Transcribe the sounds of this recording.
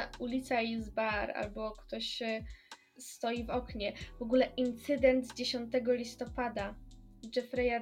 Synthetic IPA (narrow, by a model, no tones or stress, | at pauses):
ulʲit̪saizbaɾa̰lbɔkt̪ɔɕ | st̪ɔjivɔkɲɛvɔɡulɛʔint̪sɘd̪ɛnd̪zd͡ʑeɕɔnt̪ɛɡɔlʲist̪ɔpad̪ad͡ʐɛfɾɛja